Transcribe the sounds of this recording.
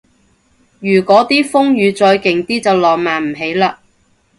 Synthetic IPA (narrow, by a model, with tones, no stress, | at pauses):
jyː˨˩kʷɔː˨˥t̪iː˥fʊ˥ŋjyː˨˧t͡sɔː˧jkɪ˨ŋt̪iː˥t͡sɐ˨wlɔː˨˩k̚maː˨nm̩˨˩ɦe˨˥jlaː˧